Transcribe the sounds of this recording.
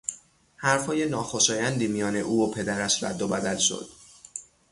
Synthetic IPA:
hæɾfhɒːje̞nɒːxo̞ʃɒːjænd̪iːmijɒːne̞ʔuːopʰe̞d̪æɾæʃɾæ̰d̪ːobæd̪ælʃo̞̰d̪̥

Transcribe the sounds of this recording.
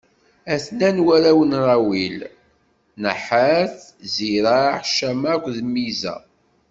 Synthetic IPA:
æθnænwæɾæwənɾˤɑwil | nəħəɾθziɾaħʃæmækʷːðmːizæ̰

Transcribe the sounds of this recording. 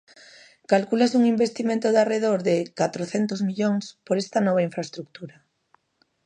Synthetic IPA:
kalkulasuŋimbest̪imẽnt̪oðareðoɾðekat̪ɾoθent̪ozmiʎoŋspoɾest̪ɐanɔβ̞aĩɱfɾaest̪ɾuk̚t̪uɾa

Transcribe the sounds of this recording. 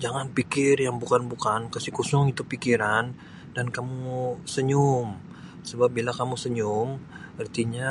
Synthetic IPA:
d͡ʒaŋanpikɪrjaŋbukanbukankasikusɔŋit̪upikiɾan | dankamusəɲʊm | səbap̚bilakamusəɲʊmərt̪iɲa

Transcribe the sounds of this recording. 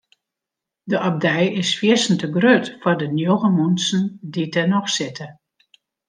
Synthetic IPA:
dəʔab̚dɛjɪsfjɪsən̩təɡrøtfɔrdənjoɣəmunsn̩ditɛnɔxsɪtʰə

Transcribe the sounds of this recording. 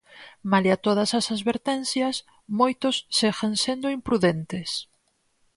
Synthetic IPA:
maljat̪oð̞ɐsasaðβeɾt̪ɛ̃n̟θjɐs | mojt̪ʊsːexaŋsend̪ʊimpɾuðent̪es

